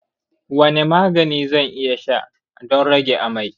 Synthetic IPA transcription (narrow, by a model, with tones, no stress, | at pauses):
wɐ˦ne˨maː˦ɡɐ˨niː˦zɐ˦˨ŋʔɪ˦ja˨ʃa̰˦ʔ | dɔ˦nɽɐ˦ɡʲe˨ʔa˨ma˨j